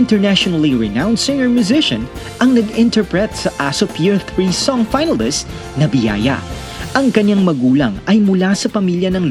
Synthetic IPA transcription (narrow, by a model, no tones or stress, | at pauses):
ɪnt̪ɛɹnaʃonɐliɹɛnawnsɪ̃ŋəɹmjʊzɪʃɐ̃n | ʔɐŋnɐɡɪnt̪ɛɹpɹɛt̪̚sɐʔasopʰiɹθɹisɔŋfajnɐlɪst̪ | nɐbɪja̰ːjɐ̰ | ʔɐŋkɐɲːaŋmɐɡuːlɐŋɐjmʊlasɐpɐmiljɐnɐŋl